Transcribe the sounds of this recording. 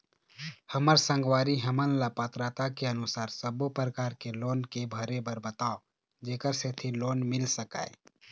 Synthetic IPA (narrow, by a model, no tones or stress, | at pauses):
həməɾsə̃ŋɡwaːɾiɦəmənlapət̪ɾat̪akeənʊsaːɾsəbopɾəkaːɾkeloːnkebʱəɾebəɾbət̪ao | d͡ʒeːkəɾset̪ʰiloːnmɪlsəka̰ːḛ